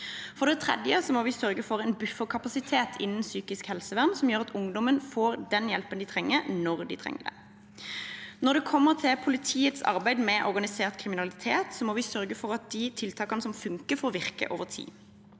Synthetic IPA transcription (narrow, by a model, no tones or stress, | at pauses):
fɔʁd̪ɛt̪ʰʁɛ̰d̪jəsɔmoːʋɪsœɾɡəfɔʁɛːnbʉfəkʰɑpɑsɪt̪ʰeːt̪ʰɪnːən̩syːkɪskhɛlsəʋæʁmsɔmjøːʁɑt̪ʰʊŋd̪ɔmənfoːʁd̪ɛnjɛlpənd̪ɪt̪ʰʁɛŋːəɾnɔʁd̪ɪ̰t̪ʰʁɛ̰ŋːəd̪ɛ̰ | nɔʁd̪ɛkʰɔmːəʁt̪ʰɪpʰʊlɪt̪ʰiːət̪sɑ̰ɾbæɪd̪mɛʔɔʁɡɑnɪseːʁt̪kʰʁɪmɪnɑlɪt̪ʰeːt̪sɔmoːʋɪsœɾɡəfɔʁɑt̪̚d̪ɪt̪ʰɪlt̪ʰɑːkɑnəsɔmfʉŋkəfɔɔʋɪʁkə̰ʔo̰ːʋəʁt̪ʰḭː